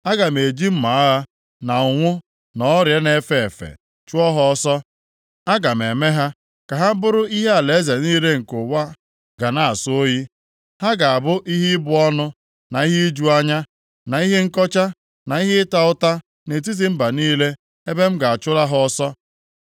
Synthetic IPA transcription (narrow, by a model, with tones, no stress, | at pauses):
a˦ɡa˨m̩˨e˨d͡ʒi˦m̩˦ma˨a˦ɦa˦ | na˨ʊ˨ŋʷʊ˦ | nɔ˦ɔ˦ɾje˦ne˨fe˨fḛ˨ | t͡ʃʊ˦ɔ˦ɦɔ˦ɔ˦sɔ˦ | a˦ɡa˨m̩˨e˨me˦ɦa˦ | ka˨ɦa˦bʊ˦ɾʊ˦i˦ɦe˦a˨le˨˦ze˨niː˦le˦ŋ̩˨kʊ˨wa˦ | ɡa˨na˨a˨sʊ˦o˦ji˦ | ha˦ɡa˨a˨bʊ˦ʔi˦ɦi˦bʊ˦ɔ˦nʊ˦ | na˨i˦ɦi˦d͡ʒu˦a˦ɲa˦ | na˨i˦ɦe˦ŋ̩˦kɔ˦t͡ʃa˦ | na˨i˦ɦe˦ta˦ʊ˦ta˦ | ne˨t̬i˦z̬i˨m̩˦ba˨niː˦le˦ | e˦be˦m̩˦ɡa˨a˨t͡ʃʊ˦la˦ɦɔ˦ɔ˦sɔ˦